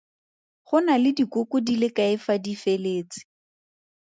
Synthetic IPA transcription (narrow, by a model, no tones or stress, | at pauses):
χʊnalɪdikʊkʊdilɪkaɪfadifeleːt͡sɪ̥